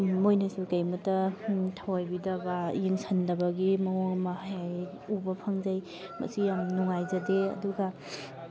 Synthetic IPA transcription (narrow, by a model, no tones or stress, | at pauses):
mojnasukajmɐtɐtʰawajbidɐbajiŋsʰandɐbaɡimɐoŋmaɦaaj | ubɐpʰaŋzaj | mɐ̰sijamnuŋajzadeɐ̰duɡa